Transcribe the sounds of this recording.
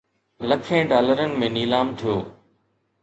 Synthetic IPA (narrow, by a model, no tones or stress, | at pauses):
lɐkʰẽɖaːləɾənɪ̆mẽniːlaːmt̪ʰijoː